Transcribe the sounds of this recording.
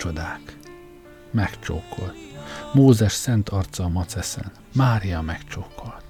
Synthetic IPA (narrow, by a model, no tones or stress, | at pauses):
od̪aːk | mɛkt͡ʃo̰ːkʰːo̞lt̪moːzɛʃsɛnt̪ɒrt̪sɒmɒt̪sɛsɛ̰n | maːɾijɒmɛkt͡ʃoːkʰːo̞lt̪